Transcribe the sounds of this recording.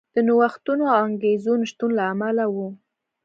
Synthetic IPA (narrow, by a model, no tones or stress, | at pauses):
d̪̥ənowaxt̪unoaŋɡezunʃt̪unlaːmalawu